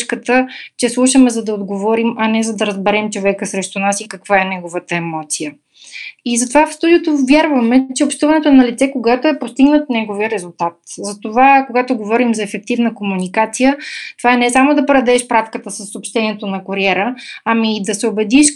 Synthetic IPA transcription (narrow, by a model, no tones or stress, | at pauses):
ʃkət̪ət͡ʃɛslˠuʃəmɛzɐd̪ɐod̪ɡovɔɾimɐnɛzɐd̪ɐɾəzbɛɾɛmt͡ʃovɛkəsɾɛʃt̪ʊnasikɐkvaɛnɛɡovət̪əɛmɔt̪sijə | izɐt̪ovafst̪ud̪iot̪ovjaɾvɐmɛt͡ʃɛopʃt̪uvɐnɛt̪oɛnɐlit̪sɛkoɡat̪oɛpost̪iɡnət̪nɛɡoviəɾɛzulˠt̪at̪zɐt̪ovakoɡat̪oɡovɔɾimzɐɛfɛk̚t̪ivnəkomunikat̪sijət̪ovaɛnɛsamod̪ɐpɾɐd̪ɛʃpɾafkət̪əsəsːopʃt̪ɛniɛt̪onɐkoɾiɛɾəːmiːd̪ɐsɛobɛd̪iʃ